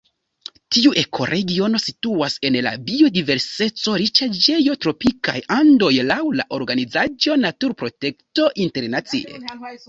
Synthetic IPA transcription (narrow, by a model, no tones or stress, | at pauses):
tiuʔe̞kʰo̞̰ɾʔe̞ɡio̞no̞situase̞nla̰bio̞dive̞ɾse̞t͡so̞ɾit͡ʃad͡ʒe̞jo̞tɾo̞pika̰jando̞jlawla̰ʔo̞ɾɡanizad͡ʒo̞natuɾpɾo̞te̞kto̞ʔinte̞ɾnat͡sḭʔḛ